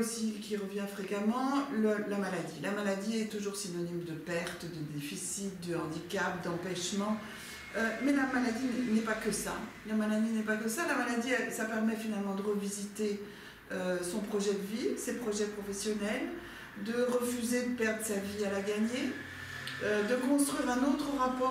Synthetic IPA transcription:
sikʲiʁəvjɛ̃fχekamɑ̃ləlamalad̪ilamalad̪iɛt̪uʒuʁsinɔnimd̪əpɛʁt̪d̪əd̪efisit̪̚d̪əɑ̃d̪ikʲapd̪ɑ̃pɛʃmɑ̃ | ømɛlamalad̪inɛnɛpakəsa̰ | jɛ̃malad̪inɛpakəsalamalad̪iɛsapɛʁmɛfinalmɑ̃d̪əʁəvizit̪e | øsɔ̃pχɔʒɛd̪əvisepχɔʒɛpχɔfɛsjɔnɛl | d̪əʁəfyzed̪əpɛʁd̪ʁəsavialaɡaɲe | ød̪əkɔ̃st̪χɥiʁɛ̃not̪χəʁapɔ

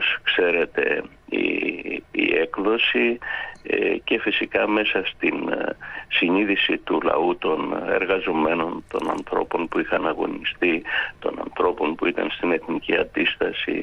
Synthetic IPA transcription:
oskse̞ɾe̞t̪e̞̰ | ḭː | e̞kðo̞si | ce̞fisikɐme̞sɐst̪insiɲiðisit̪ulɐ̰ut̪o̞ne̞̰ɾɣɐzo̞me̞no̞nt̪o̞̰nɐ̰nθɾo̞po̞npuixɐnɐɣo̞̰nist̪it̪o̞̰nɐ̰nθɾo̞po̞npuit̪ɐ̰nst̪ine̞θniciɐnd̪ist̪ɐsḭ

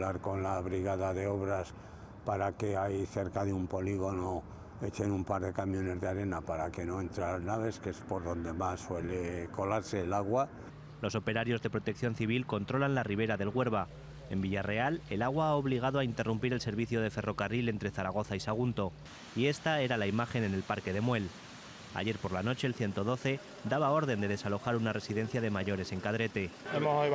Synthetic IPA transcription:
laɾko̞nlaβɾiɣaðaðeo̞βɾas | paɾakeajθe̞ɾkaðeumpo̞liɣo̞no | e̞t͡ʃe̞numpaɾðe̞kamjo̞ne̞zðeaɾe̞napaɾake̞noe̞nt̪ɾalaznaβ̞e̞skeespo̞ɾðo̞nd̪e̞masːwe̞leko̞laɾse̞ːlaɣwa | lo̞so̞pe̞ɾaɾjo̞zðe̞pɾo̞t̪ek̚θjo̞nθiβ̞ilko̞nt̪ɾo̞lanlariβ̞e̞ɾaðe̞lɣwe̞ɾβa | e̞mbiʝare̞ale̞laɣ̞waaoβ̞liɣ̞aðoaint̪e̞rumpiɾe̞lse̞ɾβiθjo̞ð̞e̞fe̞ro̞karile̞nt̪ɾe̞θaɾaɣ̞o̞θaisaɣ̞unt̪o̞ | ie̞st̪ae̞ɾalaimaxe̞ne̞ne̞lpaɾke̞ðe̞mwe̞l | a̰ʝe̞ɾpo̞ɾlano̞t͡ʃe̞ːlθje̞nt̪o̞ðo̞θe̞ | d̪aβ̞ao̞ɾð̞e̞nd̪e̞ð̞e̞salo̞xaɾunare̞siðe̞n̟θjað̞e̞maʝo̞ɾe̞se̞ŋkað̞ɾe̞t̪e̞emo

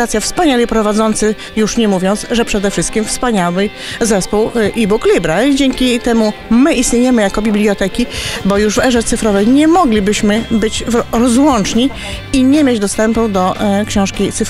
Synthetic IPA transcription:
at̪sʲjafspaɲalʲipɾɔvad̪zɔnt̪sɘ | juʂɲɛmuvʲjɔnt̪sʐɛpʂɛd̪ɛfʂɘst̪̚kʲimfspaɲawɘ | zɛspuwʔibuklʲibɾaid͡ʑɛŋkʲit̪ɛmumɘist̪ɲʲejɛmɘjakɔbʲiblʲiɔt̪ɛkʲibɔjuʐvɛʐɛt̪sɘfɾɔvɛjɲɛmɔɡlʲibɘɕmɘbɘt͡ɕɾɔzwɔnt͡ʂɲi | iɲɛmʲjed͡ʑd̪ɔst̪ɛmpud̪ɔkɕɔ̃w̃ʂkʲit̪sɘf

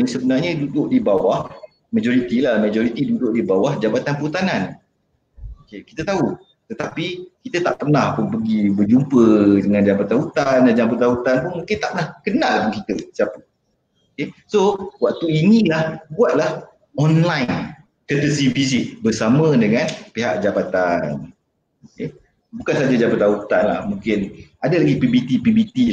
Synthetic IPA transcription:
əŋsəbənarɲədudʊʔdibawah | mad͡ʒɔɾit̪ilahmad͡ʒɔɾit̪idudʊʔdibawahd͡ʒabat̪anpəut̪anan | okeki̥t̪ət̪au | t̪ət̪apikit̪ət̪aʔpərnahpunpəɡibərd͡ʒumpədəŋãnd͡ʒabat̪aɦut̪andad͡ʒampət̪aɦut̪anpʊnmũŋkɪnt̪a̰ʔpənahkənalapʊnkit̪ət͡ʃapə | okesowak̚t̪uinilahbuat̪̚lah | ɔnlajn | kət̪əsibis̬ɪʔbərsamə̃dəŋanpiɦaʔ̚d͡ʒabat̪an | oke | bukansad͡ʒad͡ʒapat̪ːaɦut̪anla̰hmũŋkɪnadalaɡipibit̪ipibit̪i

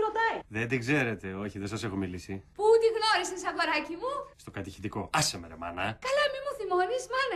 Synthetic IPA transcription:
ɾot̪ɐiðend̪iɡze̞ɾe̞t̪e̞o̞çiðesɐse̞xo̞milisiput̪iɣno̞ɾisesɐɣo̞ɾɐcimust̪o̞kɐt̪içi̥t̪iko̞ɐsemeɾḛmɐ̰nɐkɐlɐmimuθimo̞nizmɐnɐ

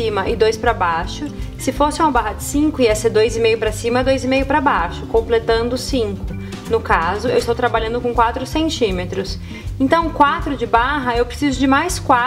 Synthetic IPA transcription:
ĩmɐʔɪd̪ojspɾɐbaʃʊsɪfosɪũmɐbaɦɐd͡ʒɪsĩŋkʊiɛseɾd̪ojzɪmejʊpɾɐsĩmɐɛd̪ojzɪmejʊpɾɐbaʃʊ̥kõmplet̪ɐ̃nd̪ʊsĩŋkʊ | nʊkazʊḛwɪst̪owt̪ɾabaʎɐ̃nd̪ʊkõkwat̪ɾʊsẽnt͡ʃĩmet̪ɾʊs | ẽnt̪ɐ̃w̃kwat̪ɾʊd͡ʒɪbaɦɐewpɾesizʊd͡ʒɪmajskwa

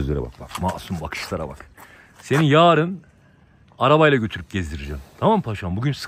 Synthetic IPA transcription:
zlʲeɾɛba̰kbakmaːsumbakʰɯ̥ʃt̪ʰˠaɾa̰ba̰k | se̞ninjaːɾɯn | aɾabajlˠaɟø̞t̪ʰyɾyp̚ɟezd̪iɾid͡ʒɛmt̪ʰamampʰaʃambuɟyns

